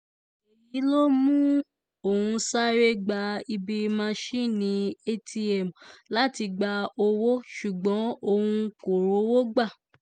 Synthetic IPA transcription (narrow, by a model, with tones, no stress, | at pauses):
e˨ji˨˦lo˦mũ˦ | o˦˨hũ˧sa˦ɾe˦ɡ͡ba˧i˧bi˧mã˦˧ʃi˦nĩ˨˦e˦tʰi˧ɛ˨m˨la˦ti˧ɡ͡ba˧o˧wo˦ʃu˨ɡ͡bɔ̃˨˦o˦˧hũ˧ko˨ɾo˨˦wo˦ɡ͡ba˦˨